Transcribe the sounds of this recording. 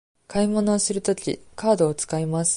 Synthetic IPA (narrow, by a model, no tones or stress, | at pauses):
kaimo̞no̞ːsɨɾɯ̟t̪o̞kʲḭkaːd̪o̞ːt͡sɨ̥kaimasɨ̥